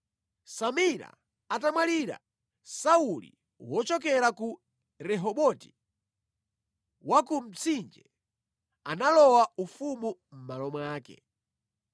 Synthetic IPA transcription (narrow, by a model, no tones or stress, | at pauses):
samiɾa̰ | atamwaliɾa̰ | saulḭ | wɔt͡ʃɔk̬ɛɾaku | ɾɛɦɔɓɔti̥ | wakum̩t͡sʰind͡ʒɛ̰ | analɔwaufumum̩malɔmwaːkɛ̰